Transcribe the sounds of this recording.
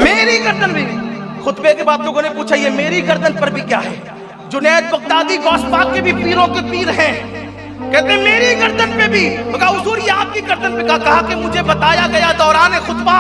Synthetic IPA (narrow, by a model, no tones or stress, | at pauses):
meːɾiɡɐɾd̪ənbʱixʊt̪bekebaːd̪loːɡõnepuːt͡ʃʰajemeːɾiɡɐɾd̪ʱənpɐɾbʱikjaːɦɛː | d͡ʒʊnɛːt̪̚bɐk̚t̪aːd̪iɡɔːspaːlkebʱipiːɾõkep̪iːɾɦɛ̃ː | kɛɦt̪ẽɦɛ̃meːɾiɡɐɾd̪ənpebʱimɐkaʊzuːɾjaːd̪̚kiɡɐɾd̪ənpekɐɦakɐɦakemʊd͡ʒʱebɐt̪aːjaɡɐjad̪ɔːɾaːnɦɛxʊt̪ba